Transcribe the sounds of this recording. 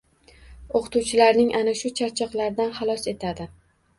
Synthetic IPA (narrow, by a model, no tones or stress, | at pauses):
oqʰɨ̥t̪ʰuwt͡ʃʰɪlaɾnɪŋʔanaʃʊt͡ʃʰaɾt͡ʃʰɑqlˠaɾd̪anχɑlˠɒse̞t̪ʰad̪ɪ